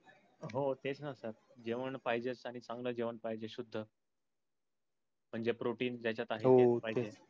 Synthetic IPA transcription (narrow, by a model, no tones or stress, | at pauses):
ɦot̪et͡snəsəɾd͡ʑeʋəɳpaɦid͡ʑet͡saɽ̃it͡sãŋɡləːd͡ʑeʋəɳpaɦid͡ʑeɕud̪ʱːə | m̤əɳd͡zepɾoʈiːnd͡ʑat͡ɕjat̪aɦepaɦie